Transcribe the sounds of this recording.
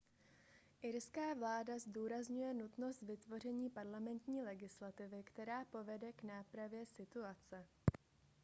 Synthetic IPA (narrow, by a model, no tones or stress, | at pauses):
ʔɪɾskaːvlaːdazduːɾazɲujɛnut̪no̞st̪vɪt̪vo̞r̝ɛɲiːpaɾlamɛnt̪ɲiːlɛɡɪslat̪ɪvɪkt̪ɛɾaːpo̞vɛdɛknaːpɾavjɛsɪt̪uat͡sɛ